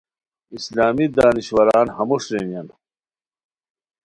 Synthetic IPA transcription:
islaːmid̪aːniɕwɐɾaːnhɐmuʂɾenijɐn

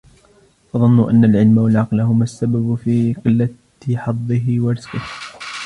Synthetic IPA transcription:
ʔɑðˤɨnːʊʔanːalʕɪlmawalʕɑqlɦʊmasːababfiːqɨlːa | ħɑðˤːɨɦɪwɑɾɪz̥qɪh

